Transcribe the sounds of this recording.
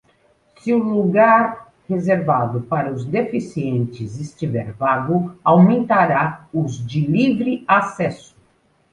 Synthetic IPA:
sɪʊluɡaɾ | hezeɾvad̪ʊpaɾɐʊzd̪efisiẽnt͡ʃɪzɪst͡ʃivɛ̰ɾvaɡʊawmẽnt̪aɾaʊzd͡ʒɪlivɾɪasɛsʊ̥

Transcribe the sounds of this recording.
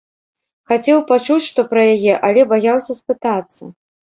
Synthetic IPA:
xat͡sʲɛwpat͡ʂut͡sʲʂt̪ɔpɾɐjajɛʔɐlʲɛbajawsʲɐspɨt̪at̪sːɐ

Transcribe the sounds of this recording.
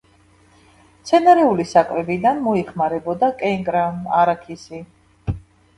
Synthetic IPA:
t̪sʰɛnaɾɛulisakʼvɛbid̪anmɔiχmaɾɛbɔd̪akʼɛŋkʼɾamaɾakʰisi

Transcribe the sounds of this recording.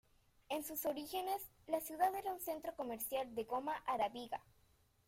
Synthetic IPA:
ensusoɾixe̞nes | lasjuðaðeɾaunse̞nt̪ɾo̞ko̞meɾsjald̪eɣomaʔaɾaβiɣa

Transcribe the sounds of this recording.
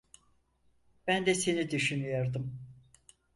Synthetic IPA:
b̥ænd̪ɛse̞nid̪yʃynyjoɾd̪ɯm

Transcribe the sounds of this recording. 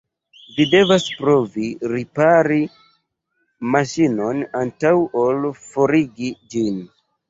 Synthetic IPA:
vide̞vaspɾo̞viɾipaɾi | maʃino̞nantawʔolfo̞ɾiɡid͡ʒin

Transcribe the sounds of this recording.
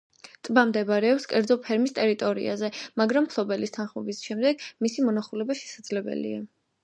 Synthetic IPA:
t̪ʼbamd̪ɛbaɾɛɔpskʼɛɾd̪zɔpʰɛɾmist̪ʼɛɾit̪ʼɔɾḭa̰zɛmaɡɾampʰlˠɔbɛlist̪ʰanχmɔbisʃɛmd̪ɛɡmisimɔnaχulɛbaʃɛ̥sad̪z̥lɛbɛ̰lḭa

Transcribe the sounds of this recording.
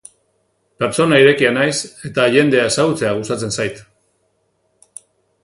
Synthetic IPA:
pe̞ɾt͡so̞naiɾe̞kianajse̞t̪aʝe̞nd̪e̞ae̞saɣut͡se̞aɣ̞ustat͡se̞nsajt̪

